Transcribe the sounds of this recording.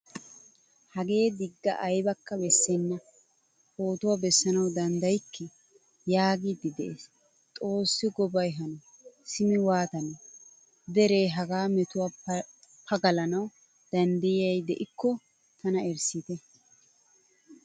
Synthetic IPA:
hɐɡe̞ːd̪ɪɡːɐ̰ʔɐjbɐkːɐbɛsːɛnːɐ | ho̞ːt̪ʊwabɛsːɐnɐwd̪ɐnd̪ɐjkːɛ | jaːɡid̪ɪd̪ɛʔes | t̪ʼo̞ːsːɪɡɔbɐjɦɐnɔ | sɪmɛwaːt̪ɐnɔ | d̪ɛɾe̞ːɦɐɡaːmɛt̪ʊwa | pʰɐɡɐlɐnɐw | d̪̥ɐnd̪ɐjɪjɐjd̪ɛʔɪkːɔ | t̪ɐnɐɛɾsɪt̪ɛ

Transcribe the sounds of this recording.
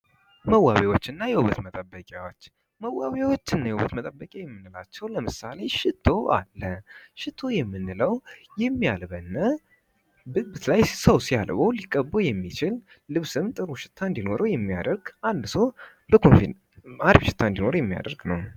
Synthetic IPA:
məwːaβewot͡ʃːɪnːajɛhuβət̪mət̪ʼəbːəkʼjawot͡ʃː | məwːaβjawot͡ʃːɪnːajɛhuβət̪mət̪ʼəbːəkʼajɛmːɨnːɨlat͡ʃːɛwləmɨsale̞ʃɪt̪ʰːo̞ʔa̰lːəʃɪt̪ʰːo̞jɛmːɨnːɨləwjɛmːijalβənːə | bɨt̪lajsəwsijalβowlikʼːəbːojɛmːit͡ʃʰɪlː | ɨβsɨmt̪ʼɨɾuʃɪ̥t̪ʰːand̪ino̞ɾəwjɛmːia̰d̪əɾɡʔand̪səw | bəkʰonfin | aɾbʃɪ̥t̪ʰːand̪ino̞ɾjɛmːija̰d̪əɾɡnəw

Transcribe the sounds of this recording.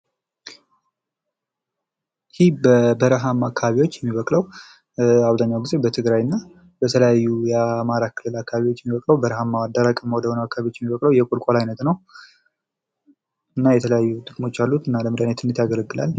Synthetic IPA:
hibəbəɾəɦamːakʰːaβaβiwo̞t͡ʃːjɛmːiβəkʼləw | aβzaɲːawɡize̞bət̪ʰɨɡɾajɨnːa | bət̪ʰələjajːujɛamaɾakʰɨlːɨlakːaβaβiwot͡ʃːjɛmːiβəkʼləwbəɾəɦamːawad̪ːaɾakʼəmːwoɔd̪əhonəwakːaaβiwo̞t͡ʃːjɛmːiβəkʼləwjɛkʼolkʼolajnət̪nəw | ɨnːajɛt̪ʰələjajːut̪ʼɨkʼmo̞t͡ʃːalːut̪ɨnːaləmɨd̪anət̪ɨnɨt̪jaɡələɡɨla̰l

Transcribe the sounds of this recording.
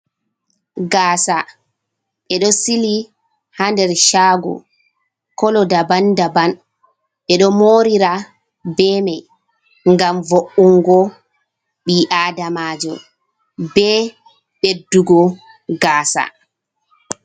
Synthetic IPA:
ɡaːsa | ɓɛɗɔsili | handɛɾʃaːɡɔ̰ | kɔlɔdabandaban | ɓɛɗɔmoːɾiɾa | bɛmɛ | ŋɡamvoʔuŋɡɔ | ɓiʔaːdamaːd͡ʒɔ̰ | bɛ | ɓedːuɡɔ | ɡaːsa̰

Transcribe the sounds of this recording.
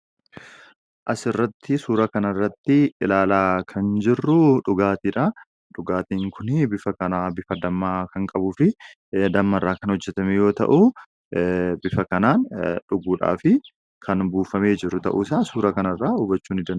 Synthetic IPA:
ʔɐsɪrːɐt̪ʰːɪsuːɾɐkɐnɐrːɐt̪ːɪɪlaːlaːkʰɐnd͡ʒɪrːʊᶑʊɡaːt̪iːᶑɐ | ᶑʊɡaːt̪iːŋkʰʊnɪbɪfɐkɐnaːbɪfɐd̪ɐmːaːkɐŋkʼɐbʊfɪ | d̪ɐmːɐrːaːkɐnhɔd͡ʒːɛt̪ɐmɛjo̞ːt̪ɐ̰ʔu | bɪfɐkɐnaːnᶑʊɡuːᶑa̰ːfɪ | kʰɐnbuːfɐmeːd͡ʒɪrːʊt̪ɐ̰ʔuːsaːsuːɾɐkɐnɐrːaːʊbɐt͡ʃːuːnɪd̪ɐn

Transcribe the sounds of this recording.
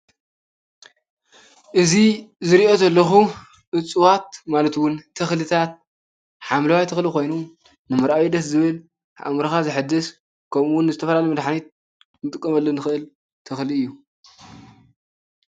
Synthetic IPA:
ʔɨzizɨɾiʔo̞zɐlːɐxu | ʔɨt͡sʼːɨwat̪malɐt̪wʊnt̪ʰɐxlɨt̪ʰat̪̚ | ħamlɐwajt̪ʰɨxliko̞jnu | nɨmɨɾʔawid̪ɐszɨβɨl | ʔa̰mɾɐxazɨħɨd̪ːɨs | kʰɐmuwʊnːɨzɨt̪ʰɐfɐlalɐjmɐd̪ħanit̪̚ | nɨt̪ʼɨkʼːɐmɐlːonɨxɨʔɨl | t̪ʰɨxliɨjːu

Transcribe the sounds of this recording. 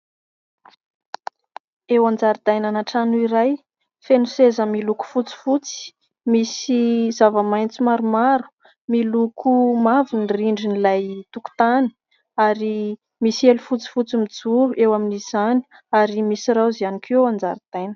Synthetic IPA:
ewand͡zaɾid̪ajnanaʈ͡ʂanuiɾaj | fenusezəmiluku̥fut͡si̥fut͡si̥ | misizavəmajnt͡simaɾumaɾu̥ | milukʰumavuniriɳɖ͡ʐinilajt̪uku̥t̪ani̥ | aɾi | misielufut͡si̥fut͡simid͡zuluʔewaminiz̥ani̥ | aɾimisiɾawzianikʰuand͡za̰ɾid̪̥ajnə̥

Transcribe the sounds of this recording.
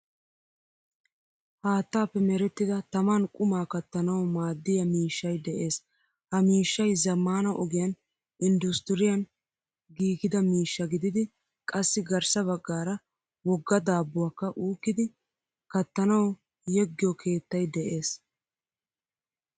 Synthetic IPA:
haːt̪ːaːpːɛmɛɾɛt̪ːɪd̪ɐt̪ɐmɐnkʼʊmaːkɐt̪ːɐnɐwmaːd̪ːɪjɐmiːʃːɐjd̪ɛʔe̞ːs | hɐmiːʃːɐjzɐmːaːnɐʔɔɡɪjɐn | ʔɪnd̪ʊst̪ɪɾɪjɐn | ɡiːɡɪd̪ɐmiːʃːɐɡɪd̪ɪd̪ɪ | kʼɐsːɪɡɐɾsɐβɐɡːaːɾɐ | wɔɡːɐd̪aːbːʊwaːkːɐʔuːkːɪd̪ɪ | kɐt̪ːɐnɐw | jɛɡːɪjɔkʰe̞ːt̪ːɐjd̪ɛʔe̞ːs

